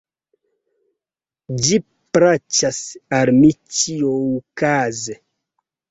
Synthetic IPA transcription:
d͡ʒi | pɾat͡ʃasalmit͡ʃioukaze

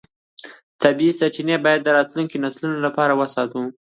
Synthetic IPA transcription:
t̪abiisat͡ʃinebɑjad̪ːəɾɑt̪luŋkinaslunolapɑɾawəsɑt̪u

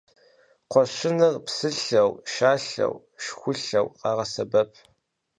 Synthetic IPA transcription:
qʷɔɕɪnɨrpsɨɬɐwʃaːɬɐ̰w | ʃxʷʊɬɐwqɑːʁɐsɐbɐpʰ

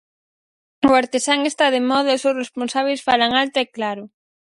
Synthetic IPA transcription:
ʊaɾt̪esaŋest̪aðemɔðɐʊsewsresponsaβ̞ejsfalaŋalt̪oeklaɾʊ

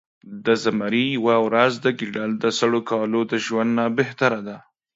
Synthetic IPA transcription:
d̪əzamaɾijwawɾazd̪əɡiɖald̪əsaɽokɑlod̪əʒwand̪nabeht̪aɾad̪a

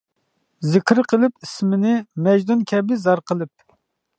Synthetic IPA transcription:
zɪkʲɾqʰəlˠɨpismɪnɪmɛd͡ʒd̪unkʲʰɛbɪzɑɾqəlˠɨp̚

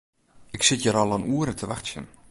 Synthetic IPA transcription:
ɪksɪtjəɾɔlˠɔnuːəɾətʰəʋaxtsjə̰n

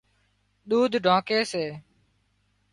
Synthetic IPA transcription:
ɗ̪uːd̪ʱɖʱãːkeːseː

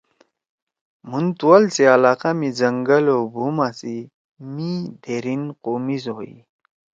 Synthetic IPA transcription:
munt̪uwalsealaːqamid͡zɐŋɡəlobʱumasi | mid̪ʱeɾinqomizoḭ

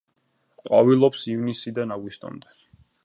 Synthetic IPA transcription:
qʼwavilˠɔpsivnisid̪anaɡwist̪ʼɔ̰nd̪ɛ

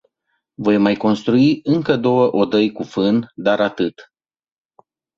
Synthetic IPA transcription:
vo̞jmajko̞nst̪ɾuiɨŋkəd̪o̞wəʔo̞d̪əjkufɨnd̪aɾat̪ɨt̪

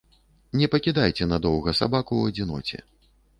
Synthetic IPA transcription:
nʲɛpɐkʲid̪ajt͡sʲɛnɐd̪ɔwɣɐsa̰bakuːɐd͡zʲinɔ̰t͡sʲɛ̰

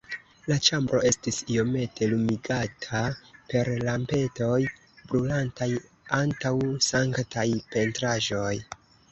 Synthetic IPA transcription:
lat͡ʃambɾo̞e̞stisio̞me̞tʰe̞lumiɡatʰape̞ɾlampe̞to̞j | bɾulantaj | antawsaŋktʰajpe̞ntɾaʒo̞j

